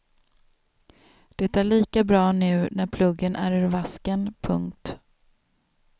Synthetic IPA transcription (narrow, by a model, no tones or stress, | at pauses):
d̪̥ɛt̪ːæːɭiːkabɾɑːnʉ̟ːnæɾpʰlɵɡːənʔæ̰ɾʉɾvaskənpʰɵŋk̚t̪